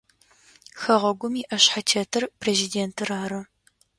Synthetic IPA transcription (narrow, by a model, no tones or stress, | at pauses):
xɐʁɐɡʷʊmiːʔɐɕħatʰeːtʰɨrpʰreːzideːntʰɨraːɾɐ